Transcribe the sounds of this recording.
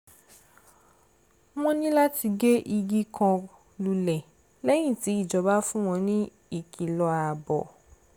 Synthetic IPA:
m̃ɔ̃˦nĩ˦la˦ti˧ɡe˦ʔi˧ɡi˦kʰã˧ | lu˨lɛ˨ | lɛ˦j̃ĩ˦˨ti˨˦i˦˨d͡ʒɔ˨ba˦fũ˦w̃ɔ̃˧nĩ˦ | i˦˨ki˨lɔ˧a˨bɔ̰˨

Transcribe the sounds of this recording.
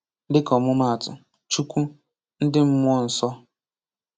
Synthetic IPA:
dɪ˦kɔ˨mʊ˦ma˦˨a˨tʊ̰˨ | t͡ʃu˦kʷu˦ | n̩˦dɪ˦m̩˦mʷ˦ɔ˦n̩˨sɔ˦

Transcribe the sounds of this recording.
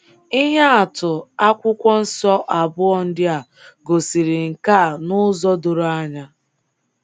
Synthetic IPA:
i˦ɦe˦a˨tʊ˨a˦kʷʊ˦kʷɔ˦n̩˦sɔ˦ʔa˨bʊ˦ɔ˦˨n̩˦dɪ˦a˨ | ɡo˨si˨ɾi˨ŋ̩˨ka˦˨nʊ˦zɔ˦do˨ɾo˨˦a˦ɲa˦

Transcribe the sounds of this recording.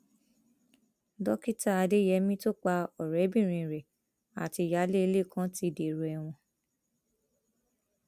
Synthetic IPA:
dɔ˦ki˦ta˦a˧de˦jɛ˨˧˦mĩ˦to˦k͡pa˧ɔ˨ɾɛ˨˦bĩ˦˨ɾ̃ĩ˧˨ɾɛ˨ | a̰˨ti˧˨ja˨˦le˦e˧le˦˨kʰã˦ti˧˦de˨ɾu˨ɛ˧˨w̃ɔ̃˧

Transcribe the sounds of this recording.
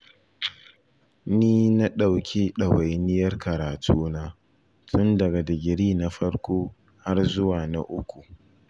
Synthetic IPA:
niː˦na˦ɗa˨wkʲe˦ɗɐ˨wa˨jnɪ˦jɐ˦rkɐ˨ɾaː˨tʰuː˦naː˦ | tʊ˦ndɐ˨ɡa˨da˨ɡʲɪ˨ɾiː˦na˦ɸɐ˦ɽkʷoː˦ | ha˦rzʊ˦waː˨na˦ʔʊ˦kʷu˨

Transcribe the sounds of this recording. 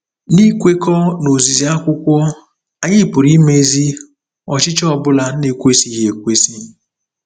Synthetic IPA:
li˦kʷe˦kɔ˦no˨zi˨zi˨a˦kʷʊ˦kʷɔ˦ | a˨ɲɪ˦˨pʊ˨ɾi˦me˦zi˦ | ɔ˨t͡ʃɪ˦t͡ʃɔ˦˨bʊ˦la˨˦ne˦kʷe˦si˨ɣje˨kʷe˦si˦

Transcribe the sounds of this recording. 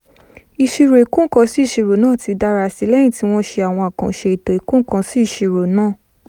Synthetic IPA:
i˨ʃi˧ɾo˨i˨kũ˦kã˧si˦i˦˨ʃe˧ɾo˨nãː˦˨ti˧da˦ɾa˧si˦lɛ˦j̃ĩ˦˨ti˨˦w̃ɔ̃˦ʃe˧a˨w̃ɔ̃˧a˨kã̰˨ʃe˧i˨to˨i˨kũ˦kã˧si˦i˦˨ʃe˨˧ɾo˨nãː˦˨

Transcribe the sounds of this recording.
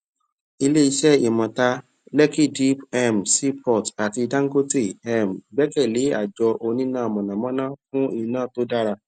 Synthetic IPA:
i˧le˦i˧ʃɛ˦i˨mã˨ta˧ | lɛ˦ki˦˨di˦pɛ˦m̩˨si˦pɔ˦˨ta˨ti˧dã˦ŋ̩˦ɡo˦te˦˨ɛ˦˨m̩˨ɡ͡bɛ˦kɛ˦˨le˨˦a̰˦˨d͡ʒɔ˧ʔo˧nĩ˦nãː˦˨mɔ̃˨nã˨mɔ̃˦nã˦fũ˦i˦˨nãː˦˨to˦da˦ɾa˧

